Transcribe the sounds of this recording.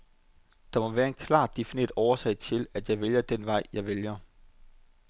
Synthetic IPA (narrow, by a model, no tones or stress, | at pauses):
d̥ɑ̈mɒ̽ʋæːɐe̝nkʰlɑ̰̈ːd̥e̝fine̝̰ɐd̥ɒʊɐsɛ̰ɪ̰t͡sʰe̝læd̥jɑ̈ɪʋeljɐd̥en̰ʋɑ̈ɪ̰jɑ̈ɪʋeljɐ